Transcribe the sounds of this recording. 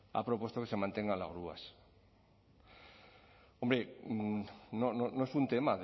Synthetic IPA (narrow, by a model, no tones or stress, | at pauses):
a̰pɾopwost̪okesemãnt̪eŋalaɣɾua̰s | ombɾe | nononoesunt̪emað